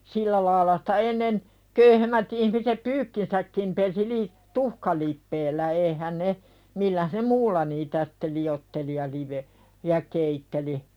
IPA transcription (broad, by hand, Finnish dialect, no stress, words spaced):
silːæ lɑːĭlɑ sĭ̥tæ enːen køyhemːæt ihmisep pyːkːinsækːim pesi li tuhkɑlipːeːlːæ eihæn ne milːæh ne muːlːɑ niːtæ sĭ̥tːe liotːeli jɑ liʋe jɑ keitːeli